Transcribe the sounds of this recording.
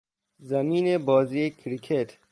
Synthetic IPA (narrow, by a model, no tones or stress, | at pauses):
zɐmiːnebɔːziːekʰɾikʰet̪